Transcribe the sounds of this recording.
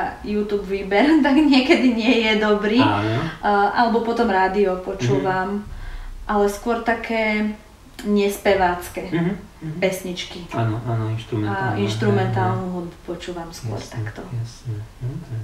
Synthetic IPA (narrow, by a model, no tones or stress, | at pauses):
ajuːt̪uːbʋiːbɛɾt̪aɡɲɪɛkɛd̪iɲɪɛjɛd̪ɔbɾinɔʔalɛbɔpɔt̪ɔmɾaːd̪iɔpɔt͡ʃuːʋam | ʔalɛskʊɔɾt̪akʰɛː | ɲɛspɛʋaːt͡skɛ | pɛsɲit͡ʃkianɔanɔinʃt̪ɾumɛainʃt̪ɾumɛnt̪aːlnuɦupɔt͡ʃuːʋamskʊɔ̰ɾt̪akt̪ɔasɛ